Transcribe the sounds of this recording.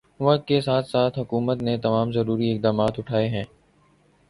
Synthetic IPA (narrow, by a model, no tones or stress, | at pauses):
ʋɐt̪kesaːt̪ʰsaːt̪ʰɦʊkuːmət̪net̪ɐmaːmzɐɾuːɾiɪk̚d̪aːmaːt̪ʊʈʰaːeɦɛ̃ː